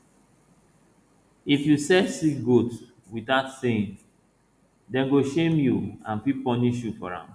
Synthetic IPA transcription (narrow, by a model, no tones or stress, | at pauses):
ifjusɛsiɡot | witaʊtseĩn | dɛ̃nɡoʃẽmjuãnpipɔniʃjufɔ̰ɹã̰m